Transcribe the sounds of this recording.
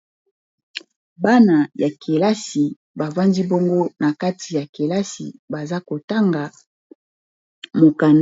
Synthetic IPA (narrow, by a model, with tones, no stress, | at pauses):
ba˦na˨ja˨kʰe˨la˦si˨ | ba˨va˦ndi˦bo˦ŋɡo˦na˨ka˦ti˨ja˨ke˨la˦sḭ˨ba˨za˦ko˨ta˦ŋɡa˨ | mo˨ka˨n